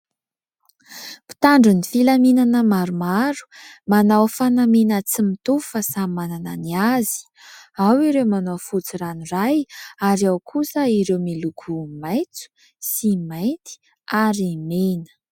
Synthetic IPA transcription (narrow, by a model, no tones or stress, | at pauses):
pi̥t̪aɳɖ͡ʐunifilaminanəmaɾumaɾu̥manawfanamenət͡simit̪ufəsamanananiazi̥ | awiɾewmanawfut͡siranirajaɾiawkʰusəiɾewmilukʰumajt͡su̥ | simajnt̪i̥ | aɾmenə̥